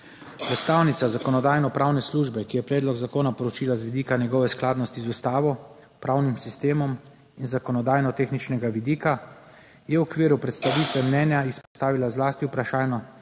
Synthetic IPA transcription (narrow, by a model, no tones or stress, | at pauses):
pɾɛt̪st̪aːwnit̪sazakɔnɔd̪aːjnɔpɾaːwnɛsluʒbɛkijɛpɾɛːd̪lɔɡzakoːnapɔɾɔt͡ʃiːlazʋid̪iːkanjɛɡɔːʋɛsklaːd̪nɔst̪izust̪aːʋɔ | pɾawnimsist̪eːmɔm | inzakɔnɔd̪aːjnɔt̪eːxnit͡ʃnɛɡaʋid̪iːka | jɛwɔkʋiːɾupɾɛt̪st̪aʋiːt̪ʋɛmnɛnjaispɔ̥st̪aːʋilazlaːst̪iwpɾaʃaːjnɔ